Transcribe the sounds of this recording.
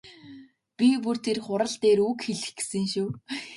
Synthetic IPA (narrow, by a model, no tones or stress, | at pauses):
pʲipur̥t̪ʰerχʊɾə̆ɮt̪eːɾukxeɮɘ̆xɡe̥sɘ̆ŋʃuː